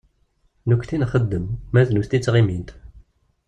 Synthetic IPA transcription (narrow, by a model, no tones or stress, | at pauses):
nukʷθinχəd̪ːəmːæðnust̪it͡sːʁimint̪